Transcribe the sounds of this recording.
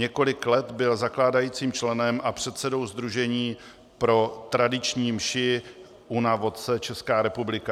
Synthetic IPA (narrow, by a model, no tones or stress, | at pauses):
ɲɛko̞lɪklɛt̪bɪlzaklaːdajiːt͡siːmt͡ʃlɛnɛmʔapr̝̥ɛt̪sɛdo̞wzd̪ɾuʒɛɲiː | pɾo̞t̪ɾadɪt͡ʃɲiːmʃɪ | ʔunavo̞t̪̚t͡sɛt͡ʃɛskaːɾɛpublɪka